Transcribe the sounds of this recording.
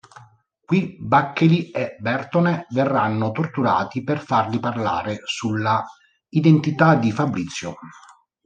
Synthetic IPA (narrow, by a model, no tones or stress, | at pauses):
kwibakːeliebɛrt̪oneverːanːot̪ort̪uɾa̰ːt̪iperfarliparla̰ːɾesulːa | id̪ent̪it̪ad̪ifabɾit̪sːjo